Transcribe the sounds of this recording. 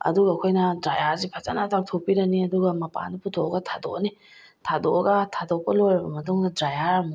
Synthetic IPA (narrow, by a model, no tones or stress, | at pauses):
ɐ̰duɡɐkʰojnɐdɾajazipʰat͡ʃanatʰawk̚tʰopiɾɐniɐduɡɐmɐpa̰niputʰoɡɐtʰado̰ʔni | tʰadɔɡɐtʰadok̚pɐlojɾɐbɐmɐtuŋdɐdɾajaɾm